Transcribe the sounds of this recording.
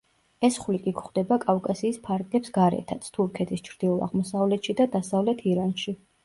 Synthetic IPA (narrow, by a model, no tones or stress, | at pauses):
ɛsχlikʼikχd̪ɛbakʼafkʼasiːspʰaɾɡlɛpsɡaɾɛ̰t̪ʰat̪sʰt̪ʰuɾkʰɛt̪ʰist͡ʃʰɾd̪̥iulˠa̰ʁmɔsavlɛt̪ʰʃid̪ad̪asavlɛt̪ʰiɾanʃi